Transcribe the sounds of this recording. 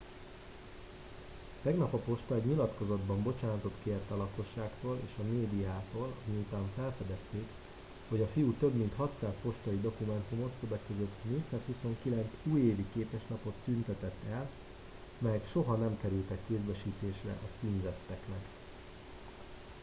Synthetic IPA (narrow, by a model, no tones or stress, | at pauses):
t̪ɛɡnɒpɒpo̞ʃt̪ɒɛɟɲilɒt̪ko̞zɒd̪bɒmbo̞t͡ʃaːnɒt̪o̞t̪keːrt̪ɒlɒko̞ʃːaːkt̪oːlḛːʃɒmeːd̪ijaːt̪oːlɒmiut̪aːɱfɛlfɛd̪ɛst̪eːk | ho̞ɟɒfijut̪øbmint̪hɒt̪saːspo̞ʃt̪ɒid̪o̞kumɛnt̪umo̞t̪købɛkøzø̞t̪ːneːc̚t̪saːshuso̞ŋkilɛnt̪suːjeːvikeːpɛʃnɒpo̞t̪ːynt̪ɛt̪ɛt̪ːɛl | mɛjɛkʃo̞ɦɒnɛmkɛɾylt̪ɛkːeːzbɛʃiːt̪eːʃrɛ̰ʔɒt̪siːmzɛt̪ːɛknɛk